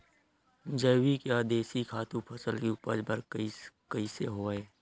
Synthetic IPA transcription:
d͡ʒəːwikeaːd̪eːsikʰaːt̪ũpʰɐsəlkiupəd͡ʒbəɾkəikəiseɦoːeː

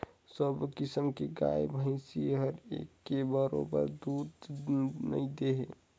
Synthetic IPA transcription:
səbkɪsəmkeɡa̰jbʱə̃ɪ̃siɦəɾekːebəɾo̰bə̰ɾd̪ud̪nə̰id̪eɦe

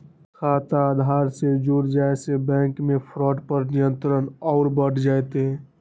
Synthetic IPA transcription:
kʰaːt̪aːd̪ʱaːɾsed͡ʒuɾd͡ʒaːesebɛ̃ːŋkmẽpʰɾɔːʈpəɾnijə̃nt̪ɾənɔːɾbəʈʰd͡ʒaːet̪eɛ

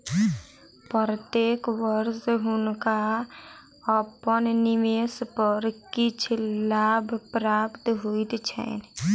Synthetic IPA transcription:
pəɾət̪ekʋəɾsɦʊnka | əpənnimespəɾkit͡ʃʰlabʱpɾapt̪ɦoit̪t͡ʃʰɛ̰n

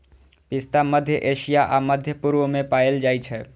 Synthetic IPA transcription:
pɪst̪aməd̪ʱjəʔeʃijaʔaməd̪ʱjəpuɾʋəmẽpajeld͡ʒaːjt͡ʃʰɛ

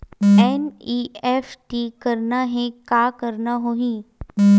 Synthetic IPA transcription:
eniefʈikəɾnaɦẽkakəɾnaɦoɦĩ

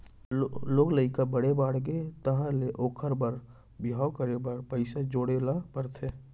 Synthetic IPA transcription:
loːɡləɪkabəɽebaːɽɡet̪əɦãleʔoːkʰəɾbəɾ | bɪaːʊkəɾebəɾpəɪsad͡ʒoːɽelapəɾt̪ʰeː

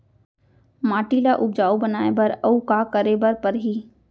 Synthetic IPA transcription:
maːʈiːlaʔʊb̚d͡ʒaːubənaːebɐɾɐukaːkəɾebɐɾpɐɾɦiː

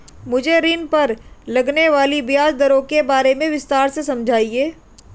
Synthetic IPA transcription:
mʊd͡ʒʱeɾiːnpɐɾlɐɡneʋaːlibɪjaːd͡ʒd̪ɐɾõkebaːɾemẽʋɪst̪aːɾsesɐ̃md͡ʒʱaːieː

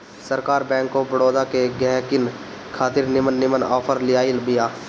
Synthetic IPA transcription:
səɾkaːɾbɛ̃ːŋkobəɽoːd̪akeɡɛ̃ːkɪn | kʰaːt̪ɪɾnɪmənːɪmənɔːpʰəɾlɪjaːɪlbɪjaː

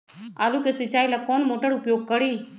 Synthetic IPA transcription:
a̰ːlukesɪt͡ʃaːilakoːnmoʈəɽʊpjoːɡ̚kəɽiː

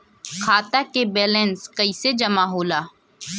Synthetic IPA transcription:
kʰaːt̪akebɛːlɛ̃nskəised͡ʒɐmaɦoːlaː

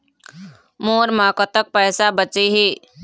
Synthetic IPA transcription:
moːɾmaːkət̪ək̚pɛːsabət͡ʃiɦiː

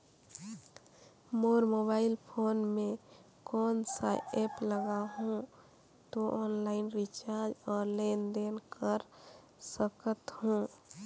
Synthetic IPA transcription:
moːɾmoːbaːɪlpʰoːnmẽ | kɔːnsaepləɡaɦũ | t̪oʔɔːnlaɪnɾit͡ʃaɾd͡ʒɔːɾlend̪enkəɾ | səkət̪ɦũ

